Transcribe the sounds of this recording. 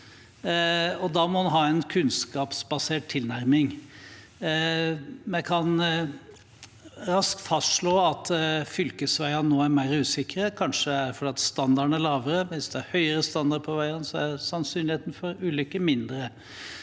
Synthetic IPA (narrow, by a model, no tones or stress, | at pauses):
ɔd̪ɑmɔmɑnɦɑːɛnkʰʉnskɑːpsbɑseːʈ̚t̪ʰːɪlnæɾmɪŋ | mɛkʰɑn | ɾɑsk̚t̪fɑst̪ʂɭoːɑt̪fʏlkəsʋæɪɑnːoːæɾmæɪɾʉːsɪkɾəkʰɑnʂəæfɔɖeːɑt̪st̪ɑnd̪ɑɖɳæɭɑːʋəɾəʋɪsd̪ɛæhœʏəɾəst̪ɑnd̪ɑɖpʰɔʋæɪənsɔæɾsɑnsyːnlɪheːt̪n̩fɔɾʉːlʏkːəmɪnd̪ɾə